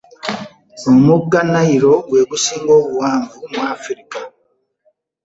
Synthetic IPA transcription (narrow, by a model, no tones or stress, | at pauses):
omuɡanaiɾo̞ɡwe̞ːβusiːŋɡo̞ːβuwaːɱvumuaːfuɾika